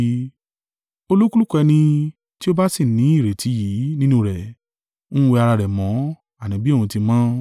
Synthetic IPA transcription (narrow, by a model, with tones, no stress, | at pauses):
o˧lu˦ku˦lu˦˨kɛ˧nĩ˧ | ti˦o˦ba˦si˦˨nĩ˨˦i˦˨ɾe˨ti˨˦ji˨˦nĩ˦nũ˦ɾɛ˨ | nũ˦we˧a˧ɾa˧ɾɛ˨mɔ̃˨˦ | a˨nĩ˨˦bi˦o˦˨ũ˧ti˧mãː˦